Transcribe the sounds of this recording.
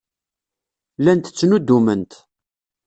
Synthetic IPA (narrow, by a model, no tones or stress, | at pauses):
lænt̪ə̥t͡sːnud̪ːumənt̪